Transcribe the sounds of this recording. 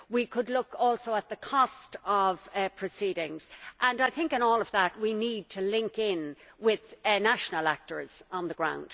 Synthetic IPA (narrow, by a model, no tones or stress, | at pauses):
wikʰədˡlʊkɔlˠsoʊət̪̚ðəkʰɔstʌv̥pʰɹ̥ɨsiɾɪ̃ŋz̥ʔə̃naɪθɪ̃ŋkɨ̃nɔːlʌvðət̚winid̚tʰəlɪ̃ŋkɪ̃nwɪð̥naʃənəlak̚tə˞z̥ə̃nðəɡɹã̰ʊ̃nd̥